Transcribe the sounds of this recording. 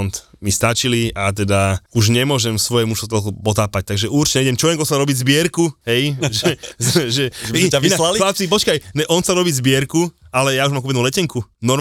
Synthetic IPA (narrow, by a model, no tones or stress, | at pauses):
nt̪mist̪at͡ʃiliʔat̪̬ɛd̪auʒɲɛmʊɔʒɛmsʋɔjɛmuʃt̪ɔt̪ɔlkupɔt̪aːpac̚t̪aɡʒɛʔuɾt͡ʃɛɲɛiɟɛmt͡ʃɔʋɛŋkɔlsaɾɔbiːzbɪɛɾkuɦɛjʒɛzʒɛainalalilat͡sip̬ɔt͡ʃkajɲɛʔɔnsaɾɔbiːzbɪɛɾkualɛjauʒmamkubɛdnulɛcɛŋkunɔɾ